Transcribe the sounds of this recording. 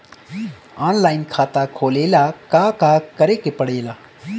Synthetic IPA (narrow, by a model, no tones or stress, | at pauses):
aːnlaːɪnkʰaːt̪akʰoːleːlakakaːkəɾekepəɽeːla